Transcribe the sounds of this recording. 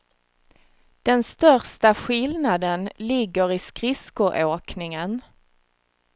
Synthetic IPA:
d̪̥ɛnst̪œɾʂʈaɧɪlnad̪ənlɪɡːəɾɪskɾɪskʊʔoːknɪŋən

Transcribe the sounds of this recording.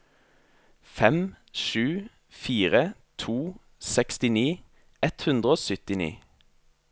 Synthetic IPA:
fɛm | ʃʉː | fiːʁət̪ʰuː | sɛkst̪ɪniː | ɛt̪hʉnd̪ʁəoːsʏt̪ɪnḭː

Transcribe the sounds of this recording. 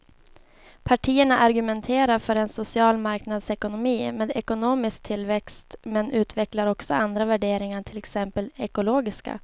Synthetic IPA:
pʰaʈʰiːəɳaʔaɾɡɵmɛnt̪ʰeːɾaɾfœːɾɛnsʊsɪɑːlmaɾknad̪sɛkʊnʊmiːmeːd̪ɛkʊnoːmɪsk̚t̪ʰɪlːvɛkst̪mɛnʔʉ̟ːt̪vɛklaɾɔksɔand̪ɾavæɖeːɾɪŋaʈʰɪlɛksɛmpəlɛkʊloːɡɪska̰

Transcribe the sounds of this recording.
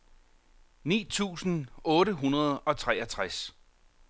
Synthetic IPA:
nḭːt͡sʰṵːsn̩ɔ̽ːɾəɦunɐð̞ˠɒ̽t͡sʰʁɛɐt͡sʰʁas

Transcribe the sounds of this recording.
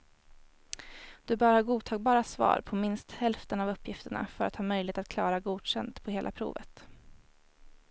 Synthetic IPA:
d̪̥ɵbœːɾəhɑːɾɡuːd̪̚t̪ʰɑːɡ̚bɑːɾasvɑ̰ːɾpʰɔmɪnst̪hɛlft̪ənavɵpʰːjɪft̪əɳa̰fœɾat̪hɑːmœjlɪeːt̪at̪kʰlɑːɾaɡuːd̪ɕɛnd̪pʰɔheːlʔa̰pʰɾṵːvə̰t̪

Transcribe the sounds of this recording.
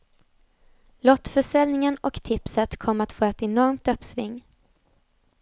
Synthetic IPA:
lɔt̪ːfœʂɛlnɪŋənɔkt̪ʰɪpsət̪kʰɔmːat̪foːɛt̪ɛnɔɾmt̪ɵpːsvɪ̰ŋː

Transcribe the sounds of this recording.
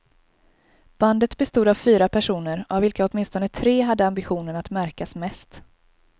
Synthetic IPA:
b̥and̪ət̪bɛst̪uːd̪avfyːɾapʰæʂuːnəɾʔavɪlkaɔt̪mɪnst̪ɔnət̪ʰɾeːɦad̪ːəambɪɧuːnənat̪mæɾkasmɛst̪

